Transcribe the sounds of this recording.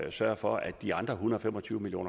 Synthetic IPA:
sɶɐfɒ̽æd̥d̥iɑ̈nd̥ʁɐɦunəðˠɒfemɒt͡sʰyːʊəmiljo̝̰ːn

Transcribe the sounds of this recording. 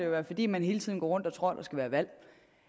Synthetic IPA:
ejoʋæːɐfɒ̽d̥ḭːmænɦe̝ːlət͡sʰiðˠnɡ̥ɒ̰ːʁɔ̽n̰d̥ɒt͡sʰʁɔɐ̰d̥ɑsɡ̥æʋæːɐʋæl̰

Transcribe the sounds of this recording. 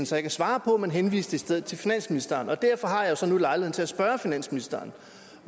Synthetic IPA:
n̩sɒjɡʰæsʋɑ̈ːpʰɒ̽menɦenʋḭːsd̥əisd̥eð̞̰̩ˠt͡sʰe̝lfinæn̰sminisd̥ɐːnɒ̽d̥æɐ̰fɒ̽ɦɑ̈jɑ̈josɒ̽nulɑ̈ɪlihḛn̩t͡se̝læsb̥ɶːɐfinæn̰sminisd̥ɐːn

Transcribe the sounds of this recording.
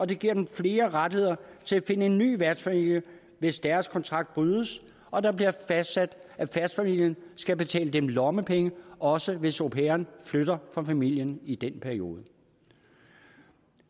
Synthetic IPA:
ɒ̽d̥e̝ɡ̥iɐ̰d̥emfle̝ːɐʁad̥he̝ð̰ˠɐt͡sʰe̝læfe̝nəe̝nːy̰ːʋæɐd̥sfæmil̰jə | ʋe̝sd̥æɐskʰɒ̽nt͡sʰʁɑ̈ɡ̥̚d̥̚b̥ʁyːðˠəs | ɒ̽d̥ɑ̈b̥liɐfæsd̥sæd̥æfæsd̥fæmil̰jənsɡ̥æbe̝t͡sʰɛ̰ːləd̥emlɒməpʰeŋəʔɒ̽səʋe̝sopʰeːɐnfløɾ̥ɐfɑfæmil̰jənid̥enpʰæɐio̝̰ːð̞ˠə

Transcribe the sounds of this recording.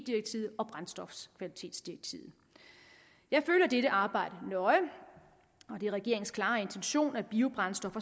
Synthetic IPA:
d̥iɐɡ̥̚t͡sʰḭːð̩ˠɒ̽b̥ʁansd̥ɒ̽fskʰʋælit͡sʰe̝̰ːd̥sd̥iɐɡ̥̚t͡sʰḭːð̩ˠ | jɑ̈ɪføːlɐd̥eɾəʔɑ̈ːb̥ɑ̈ɪ̰d̥ənɒ̽ɪ | ɒ̽d̥e̝ʁɛɡ̥e̝ɐ̰eŋn̩kʰlɑ̈ːe̝nt͡sʰenɕo̝̰ːnæb̥iːʊb̥ʁɑ̈nsd̥ɒ̽fɐ

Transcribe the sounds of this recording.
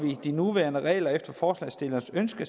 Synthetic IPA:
ʋid̥inuʋæɐnəʁɛ̰ːlɐefd̥ɐfɒːslɛ̰ːsd̥e̝lɐsønsɡ̥ə

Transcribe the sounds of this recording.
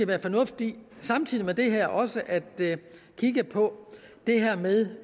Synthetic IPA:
æʋæːɐfɒ̽nɔ̽fd̥isɑ̈mt͡sʰið̰ˠimed̥e̝ɦæɐ̰ʔɒ̽səʔæd̥ | kʰiɡ̥əpʰɒ̽d̥e̝ɦæɐ̰meðˠ

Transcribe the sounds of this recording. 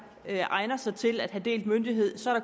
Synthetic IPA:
ʔɑ̈ɪnɐsɑ̈ɪt͡sʰe̝læd̥ɦæd̥e̝̰ːld̥mønd̥iɦe̝ð̰ˠsɒ̽ɐɾ̥ɑ

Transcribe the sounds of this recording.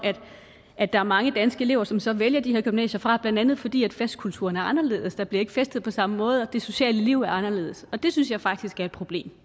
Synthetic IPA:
æd̥ | ʔæd̥ɑ̈æɐmɑ̈ŋəd̥ænsɡ̥əe̝le̝̰ʊ̰ɐsɒ̽msɒ̽ʋeljɐd̥ihe̝ɐ̰ɡ̥ymnɛ̰ːɕɐfʁɑ̈b̥lænd̥ænð̞̩ˠfɒ̽d̥ḭːæd̥fæsd̥̚kʰult͡sʰuɐnæɐɑ̈nɐle̝̰ːð̞̩ˠəsd̥ɑ̈b̥liɐe̝ɡ̥əfesd̥ð̩ˠpʰɒ̽sɑ̈məmɔ̽ːð̞ˠɒ̽d̥e̝so̝ɕɛ̰ːləliʊ̰æɐɑ̈nɐle̝̰ːð̞̩ˠəsɒ̽d̥e̝synsjɑ̈ɪfɑ̈ɡ̥̚d̥isɡ̥æɐed̥̚pʰʁo̝b̥le̝̰ːm

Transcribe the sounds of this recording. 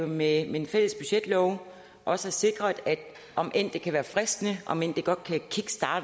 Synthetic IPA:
memeenfel̰əsb̥yɕed̥lɒʊ | ʔɒ̽səæse̝ɡ̥ʁɐd̥æd̥ | ʔɒ̽mʔen̰d̥e̝kʰæʋæːɐfʁɛsd̥nəʔɒ̽men̰d̥e̝ɡ̥ɒ̽d̥̚kʰækʰiɡ̥sd̥ɑ̥̈ː

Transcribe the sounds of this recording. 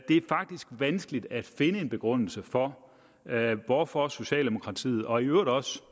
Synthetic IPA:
d̥e̝æɐfɑ̈ɡ̥̚d̥isɡ̥ʋænsɡ̥lid̥æd̥fe̝nəe̝nb̥e̝ɡ̥ʁɔn̰l̩səfɒ̽ | ʋɒfɒ̽so̝ɕɛ̰ːld̥emo̝kʰʁɑ̈t͡sʰḭːð̞̩ˠɒ̽iøʊɐɾˠɒ̽s

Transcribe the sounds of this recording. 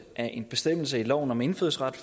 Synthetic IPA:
ʔæʔe̝nb̥e̝sd̥em̰l̩s̬əilɒ̰ʊ̰n̩ɒ̽me̝nføð̰ˠsʁɑd̥f

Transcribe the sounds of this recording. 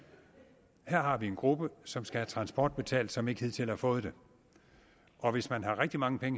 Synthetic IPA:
heɐ̰ɦɑ̈ʋie̝nɡ̥ʁub̥əsɒ̽msɡ̥ææt͡sʰʁɑ̈nsb̥ɒ̰ːd̥̚b̥e̝t͡sʰɛ̰ːld̥sɒ̽me̝ɡ̥hið̰ˠt͡sʰe̝lhæfɔ̽ːð̞̩ˠd̥e̝ | ʔɒ̽ʋe̝smænɦɑ̈ʁeɡ̥̚d̥imɑ̈ŋəpʰeŋə

